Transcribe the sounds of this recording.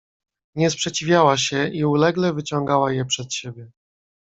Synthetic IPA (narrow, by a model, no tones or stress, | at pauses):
ɲɛspʂɛt͡ɕivʲjawaɕɛiulɛɡlɛvɘt͡ɕɔŋɡawajɛpʂɛt̪ɕebʲjɛ